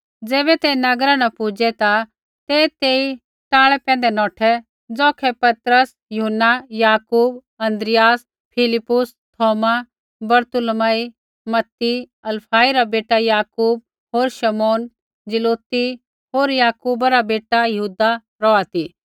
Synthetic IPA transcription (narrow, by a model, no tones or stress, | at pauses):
d͡zɛːbɛt̪enɐɡɾanɐpʊd͡ʒɛt̪a | t̪et̪eːi | ʈaːɭɛpɛ̃ːn̆d̪ɛnɔːʈʰɛ | d͡zɔːkʰɛpɐt̪ɾəs | jʊɦənːajaːkuːb | ɐ̃nd̪ɾɪjaːs | pʰɪlɪpːʊs | t̪ʰɔːma | bɐɾt̪ʊlmaːi | mɐt̪ːi | ɐlpʰaːiɾabeːʈajaːkuːb̚ | ɦoːɾʃɐmoːn | d͡ʒɪloːt̪i | ɦoːɾjaːkuːbaɾabeːʈajɐɦuːd̪a | ɾɔːat̪iː